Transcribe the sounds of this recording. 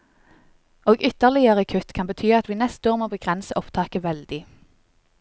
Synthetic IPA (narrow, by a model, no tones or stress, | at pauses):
oːɡʏt̪əʁlɪəʁəkʰʉt̪kʰɑnbət̪ʰyːɑt̪ʋiːnɛst̪oːʁmoːbəɡʁɛnsəʔɔpt̪ʰɑːkəʋɛld̪ɪ